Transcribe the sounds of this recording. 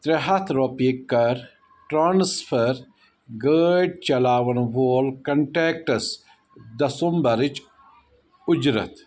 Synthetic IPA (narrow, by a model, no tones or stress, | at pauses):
t̪ɾeɦɐt̪ʰɾopiːkːɐɾ | ʈɾaːnspʰəɾ | ɡəːɖ̚t͡ʃɐlaːʋɐnʋoːlkɐɳʈeːkʈɐs | d̪ɐsumbɐɾit͡ʃ | ʊd͡ʒɾɐ̰t̪